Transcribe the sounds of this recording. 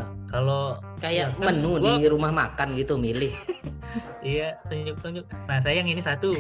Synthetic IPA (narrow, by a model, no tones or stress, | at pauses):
kalo | kajamənudiɾumahmakanɡit̪umilɪh | ijat̪əd͡ʒuk̚t̪əd͡ʒʊk̚nas̬ajaŋinisat̪u